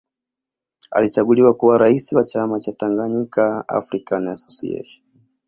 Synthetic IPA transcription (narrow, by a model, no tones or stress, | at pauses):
a̰lit͡ʃaɠuliwakuwaɾaisiwat͡ʃamat͡ʃataŋɡaɲikʰaa̰fɾikanajasɔsḭɛ̰ʃi̥